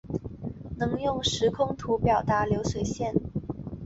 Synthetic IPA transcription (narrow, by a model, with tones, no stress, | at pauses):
nɤ˧˥ŋjʊ˥˩ŋʂɻ̩˧˥kʰʊ˥ŋt̪ʰu˧˥pjɑ˨˩ʊt̪a˧˥ljo˧˥ʊswe˨˩ɪɕjɛ˥˩n